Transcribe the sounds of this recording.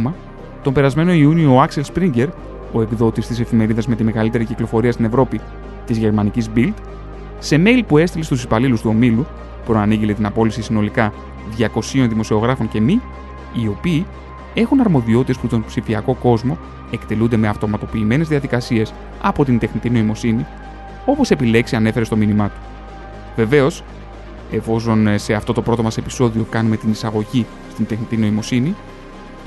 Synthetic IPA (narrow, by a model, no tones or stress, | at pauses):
mɐ | t̪o̞mbe̞ɾɐzme̞no̞iunioːɐkse̞lspɾiɲɟe̞ɾ | o̞e̞pðo̞t̪ist̪ise̞fime̞ɾiðɐzme̞t̪ime̞ɣɐlit̪e̞ɾiciklo̞fo̞ɾiɐst̪ine̞vɾo̞pi | t̪izʝe̞ɾmɐnicizbild̪ | se̞me̞lipue̞st̪ile̞st̪usipɐlilust̪uo̞milu | pɾo̞ɐniʝile̞t̪inɐpo̞lisisino̞likɐ | ðʝɐko̞sio̞nðimo̞sio̞ɣɾɐfo̞ɲce̞miː | o̞piː | e̞xunɐɾmo̞ðiot̪it̪e̞sput̪o̞npsifiɐko̞ko̞zmo̞ | e̞kt̪e̞lund̪e̞me̞ɐft̪o̞mɐt̪o̞piːme̞ne̞zðiɐðikɐsie̞s | ɐpo̞t̪ind̪e̞xnit̪ino̞imo̞sini | o̞pose̞pile̞ksiɐne̞fe̞ɾe̞st̪o̞minimɐt̪u̥ | ve̞ve̞o̞s | e̞fo̞s̬o̞nse̞ɐft̪o̞t̪o̞pɾo̞t̪o̞mɐse̞pi̥so̞ðio̞kɐnume̞t̪inisɐɣo̞ʝi | st̪ind̪e̞xnit̪ino̞imo̞sini